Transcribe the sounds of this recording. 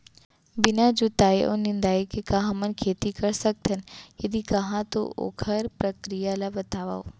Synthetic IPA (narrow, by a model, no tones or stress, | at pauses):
bɪnad͡ʒot̪aːeʔo̰nɪ̃nd̪aːekekaɦãmənkʰeːt̪ikɐɾsɐk̚t̪ʰənjɐd̪ikɐɦãt̪o̰o̰ːkʰəɾpɾɐkɾijalabɐt̪aːʋa̰ːo